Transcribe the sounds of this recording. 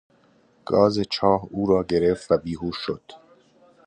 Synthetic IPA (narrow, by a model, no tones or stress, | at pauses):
ɡ̥ɒːzet͡ʃʰɒːhuːɾɒːɟe̞ɾeft̪væbiːɦuːʃod̪̥